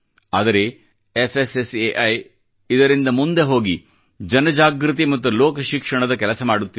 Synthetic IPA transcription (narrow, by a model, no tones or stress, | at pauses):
aːd̪ɐɾe̞ | efʰeseseʔɐj | id̪ɐɾind̪ɐmund̪e̞ɦo̞ːɡi | d͡ʒɐnɐd͡ʒaːɡɾit̪̬imɐt̪ːuloːkɐʃikʂɐɳɐd̪ɐkɛlɐsɐmaːɽut̪ːi